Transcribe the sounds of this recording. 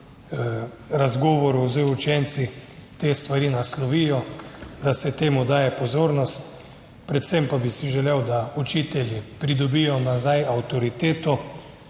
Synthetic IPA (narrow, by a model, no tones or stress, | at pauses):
ɾazɡɔːʋɔɾuzɔut͡ʃɛnt̪sit̪eːst̪ʋaɾinaslɔʋiːjɔd̪asɛt̪eːmud̪aːjɛpɔzoːɾnɔst̪ | pɾɛt̪sɛmpabisiʒɛlewd̪aut͡ʃiːt̪ɛljipɾid̪ɔbijɔnazajawt̪ɔɾit̪eːt̪ɔ